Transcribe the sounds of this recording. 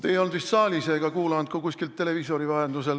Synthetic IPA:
t̪ejo̞lnd̪vist̪sɑːlʲiseːɡ̥ɑkuːlɑnd̪̥̚kukusʲkilt̪ːe̞le̞viso̞ɾivɑhend̪usel

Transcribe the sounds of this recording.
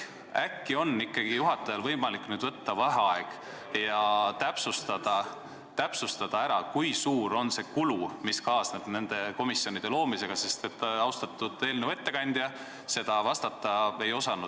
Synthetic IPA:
ækːio̞nːikːˑɑɡ̥ijuɦɑt̪ːˑɑjɑlvɤjmɑliknyːd̪vɤt̪ːɑvɑɦɑɑeɡ̥ | jɑt̪æpsust̪ɑd̪̥ɑ | t̪æpsust̪ɑd̪̥ɑæɾɑkujsuːɾo̞nse̞kulumiskɑːsneb̥ne̞nd̪̥e̞ko̞misːjo̞nid̪̥e̞lo̞ːmise̞ɡ̥ɑse̞st̪e̞t̪ːɑwst̪ɑt̪ːˑud̪̥e̞ːlneve̞t̪ːe̞kɑnʲd̪̥jɑ | se̞d̪̥ɑvɑst̪ɑt̪ːˑɑejo̞sɑnu

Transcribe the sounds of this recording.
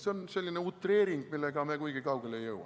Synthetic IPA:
seonselʲːineut̪ːˑre̞ːɾiŋɡ̥milːeɡ̥ɑmeːkujɡ̥ikɑuwɡ̥elejɤwɑ̰

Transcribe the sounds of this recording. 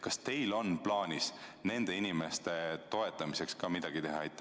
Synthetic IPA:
kɑst̪e̞jlo̞nplɑːnʲisne̞nd̪̥e̞inime̞st̪e̞t̪o̞e̞t̪ːˑɑmise̞kskɑmid̪̥ɑɡ̥it̪e̞ɦɑejt̪ːˑ

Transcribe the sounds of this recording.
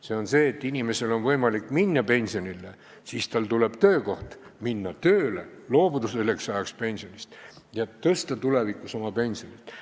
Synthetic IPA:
se̞o̞nse̞ːt̪ːˑinʲime̞se̞lo̞nvɤjmɑlikːˑminːɑpe̞nʲsio̞nʲilːe | siːst̪ɑlt̪ule̞b̥t̪ø̞ːko̞ht̪minːɑt̪øːlḛlo̞ːbud̪̥uselːeksɑjɑkspe̞nʲsio̞nʲist̪ | jɑt̪ɤst̪ɑt̪ulevikːˑuso̞mɑpe̞nʲsio̞nʲit̪ˑ

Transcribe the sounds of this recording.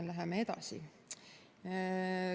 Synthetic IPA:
læɦɛmeed̪̥ɑ̰sḭ

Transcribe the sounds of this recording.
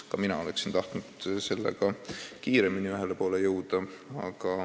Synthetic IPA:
kɑminɑ̰o̞le̞̰ksint̪ɑht̪nud̪̥se̞lːḛɡ̥ɑkiːɾe̞miniyɦelepo̞ːle̞jɤwd̪̥ɑɑ̰ɡ̥ɑ

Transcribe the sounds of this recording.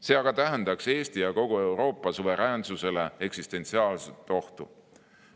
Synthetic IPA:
se̞ːɑɡ̥ɑt̪æɦend̪ɑkse̞ːst̪ijɑko̞ɡ̥ue̞wɾo̞ːpːˑɑsuve̞ɾæːnsuse̞le̞e̞ksist̪e̞nʲt̪siɑːlset̪ːˑo̞ht̪u

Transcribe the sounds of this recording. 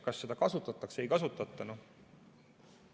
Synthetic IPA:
kɑsːe̞d̪ɑkɑsut̪ːˑɑt̪ːˑɑkse̞jkɑsut̪ˑːɑt̪ːˑɑnu

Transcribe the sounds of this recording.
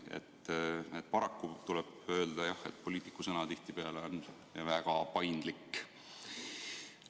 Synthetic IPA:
ḛt̪ːet̪̚ːˑpɑɾɑkːut̪ulɛb̥ø̞ːld̪̥ɑjɑhe̞̰t̪̚po̞lʲiːt̪ːˑi̥kːˑusɤnɑt̪iht̪ipe̞ɑleo̞n | væɡ̥ɑpɑjnd̪̥likː

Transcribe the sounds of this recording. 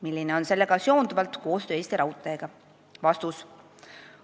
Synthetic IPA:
milʲːineo̞nse̞lːe̞ɡ̥ɑsjo̞ːnd̪uvɑlt̪ko̞ːst̪øːeːst̪iɾʔɑut̪ːˑeeɡ̥ɑ | vɑst̪us

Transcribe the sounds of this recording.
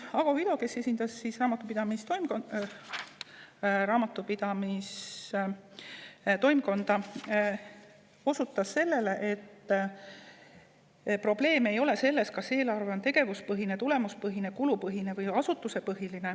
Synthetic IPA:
ɑɡ̥ɑid̪o̞ke̞se̞sʲind̪̥ɑsːisrɑːmɑt̪ːˑupid̪̥ɑmist̪om | ɾɑːmɑt̪ːˑupid̪̥ɑmis | t̪o̞jmko̞nd̪ɑ | o̞sut̪ːˑɑsːe̞lːe̞le̞ʔe̞t̪ː | pro̞ble̞ːme̞jo̞le̞se̞lːe̞skɑse̞ːlɑrve̞o̞nt̪e̞ɡ̥e̞vuspɤɦine̞t̪ule̞muspɤɦine̞kulupɤɦine̞vɯjɑsut̪ːˑuse̞pɤɦiline̞

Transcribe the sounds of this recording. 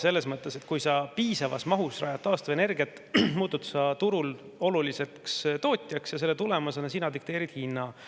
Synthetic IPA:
se̞lːe̞smɤt̪ːˑe̞se̞t̪kujsɑpiːsɑvɑ̰smɑɦusrɑ̰ːjɑt̪ːɑːst̪ɑvene̞rɡiɑt̪ˑː | muːt̪ːˑut̪sɑt̪uɾul | o̞lulise̞kst̪o̞ːt̪ʲːˑjɑksjɑse̞lːet̪ulemɑsɑnesinɑd̪ik̚t̪eːɾid̪̥hinːɑ

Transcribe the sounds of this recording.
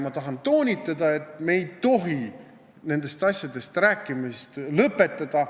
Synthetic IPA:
mɑt̪ɑɦɑnt̪o̞ːnʲit̪ːˑɑd̪̥ɑe̞t̪ˑme̞jd̪t̪o̞ɦi | ne̞nd̪̥e̞st̪ɑsʲjɑd̪̥e̞st̪ræːkːˑimist̪lɤpːˑe̞t̪ːˑɑd̪̥ɑ

